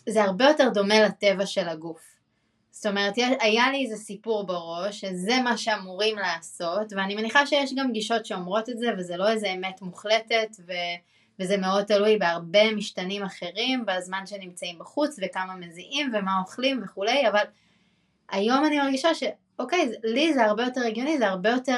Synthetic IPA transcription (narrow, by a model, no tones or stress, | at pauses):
zeaʁbe̞jo̞te̞ʁdo̞melate̞vaʃe̞laɡuf | sto̞me̞ʁetjeajaliezesipuʁbaʁo̞ʃːeze̞maʃe̞amuʁimlaːso̞tveanime̞niχaʃejeʃɡamɡiʃo̞tʃeo̞mʁo̞tetze̞vezelo̞ezeːmetmuχle̞te̞tve | vezemeo̞d̚t̪alujbeaʁbe̞miʃtanimaχe̞ʁimbazmanʃe̞nimt͡saimbaχut͡svekamameziʔimve̞mao̞χlimveχule̞javal | ajo̞manimaʁɡiʃaʃe̞ | oke̞jzelizeaʁbe̞jo̞te̞ʁeɡjo̞nizeaʁbejo̞te